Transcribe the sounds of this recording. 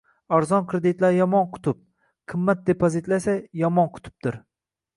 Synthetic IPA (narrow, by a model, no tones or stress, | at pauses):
aɾzɒnkʰɾed̪ɪt̪laɾjɒmɒnqʰʊ̥t̪ʰʊp̚ | qʰɨmːat̪̚d̪epʰozit̪lasajɒmɒnqʰʊ̥t̪ʰʊ̥p̚t̪ɪɾ